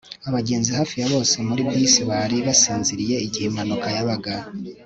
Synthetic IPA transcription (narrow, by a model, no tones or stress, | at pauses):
aβaɟe̞ːnzihaːfijaβo̞ːse̞muɾikisiβaɾiβasiːnziɾije̞iɟihemanukajaβaɡa